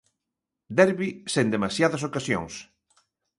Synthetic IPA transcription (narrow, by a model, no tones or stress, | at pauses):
d̪ɛɾβisend̪emasjaðɐs̬okasjõ̰ŋs